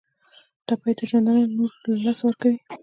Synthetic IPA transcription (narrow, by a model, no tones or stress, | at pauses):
d̪̥apɑjt̪aʒand̪ənanoɾlɑswəɾkawi